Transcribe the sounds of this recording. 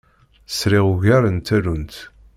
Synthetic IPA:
sɾiʁuʝæɾənt̪ælunt̪

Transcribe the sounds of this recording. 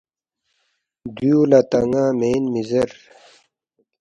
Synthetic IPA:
d̪jjuːlat̪ɐŋaːmeːnmizɐɾ

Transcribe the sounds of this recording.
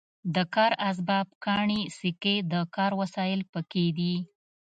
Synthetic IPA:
d̪əkɑɾas̬bɑb̚kɑɳisɪked̪əkɑɾwasɑjɪlpəked̪i

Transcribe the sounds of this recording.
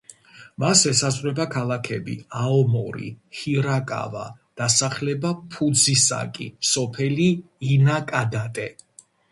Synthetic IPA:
masɛsazʼʁʼɾɛbakʰalˠakʰɛbḭaɔmɔɾḭhiɾakʼa̰va̰d̪̥asaχlɛbapʰud̪zisa̰kʼḭsɔpʰɛliːnakʼad̪at̪ʼɛ

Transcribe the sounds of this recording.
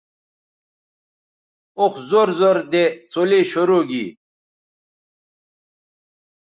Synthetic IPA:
oxzoɾzoɾd̪et͡sʰoleɕoɾoːɡḭː

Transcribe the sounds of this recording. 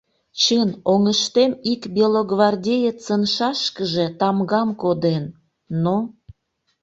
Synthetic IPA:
t͡ɕənoŋəʃt̪emikbʲilˠoɡvɑrdʲejet͡sənʃɑʃkəʒe̽t̪ɑmɡɑmkod̪enː | o

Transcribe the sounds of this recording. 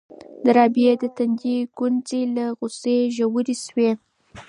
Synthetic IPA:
d̪əɾɑbjed̪ət̪and͡ʒiɡ̥unzelaɣʊseʒawəɾiswe

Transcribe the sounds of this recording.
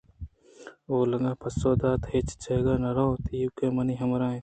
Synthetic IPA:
oːlɐŋɡãːpʰɐsoːd̪aːt̪het͡ʃt͡ʃʰeɡaːnɐɾaot̪iːwkeːmɐniːɦɐmɾãːẽ

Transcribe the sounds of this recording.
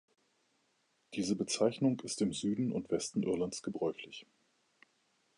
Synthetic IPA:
d̥iːzəbət͡saɪçnʊŋɪstɪmzyːdn̩ʊ̰ntv̥ɛstn̩ʔɪɐlant͡sɡ̥əbʁɔʏçlɪç

